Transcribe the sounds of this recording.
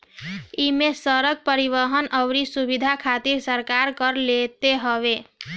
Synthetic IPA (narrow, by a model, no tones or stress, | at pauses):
imesəɾəɡ̚pəɾiβəɦənʔəwɾisubid̪ʱakʰat̪iɾsəɾkaɾkəɾlet̪eɦəβe